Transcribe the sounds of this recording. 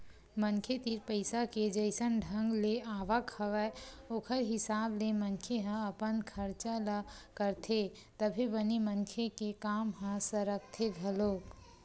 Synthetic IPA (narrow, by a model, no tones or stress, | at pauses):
mənkʰet̪iːɾpəɪsaked͡ʒəɪsənɖʱə̃ŋɡleaːʋakʰɐʋəoːkʰəɾɦɪsaːblemənkʰeɦə̃ɐpənkʰəɾt͡ʃalakəɾt̪ʰe | t̪əbʱibɐniməŋkʰekekaːmɦə̃səɾək̚t̪ʰeɡʱəloːk